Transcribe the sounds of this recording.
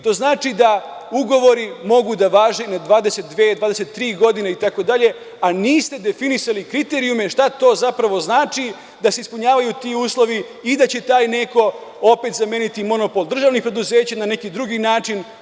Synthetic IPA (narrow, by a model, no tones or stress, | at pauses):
t̪o̞ːznaːt͡ʂid̪a | uɡo̞ʋo̞ɾimo̞ɡud̪aʋaːʒenad̪ʋaːd̪e̞se̞t̪̚d̪ʋeːd̪ʋaːd̪e̞set̪ːɾiːɡo̞d̪ineit̪ako̞d̪aʎe̞ | aniːst̪e̞d̪e̞finisalikɾit̪e̞ɾiume̞ʃt̪at̪o̞ːzapɾaʋo̞znaːt͡ʃi | d̪ase̞ispuɲaːʋajut̪iuːslˠo̞ʋiː | d̪at͡ɕe̞t̪aːjne̞ko̞o̞pe̞t̪zamjeːnit̪imo̞no̞po̞lˠd̪r̩ʒaːʋnipɾe̞d̪uze̞ːt͡ɕanane̞kid̪ɾuɡinaːt͡ʂin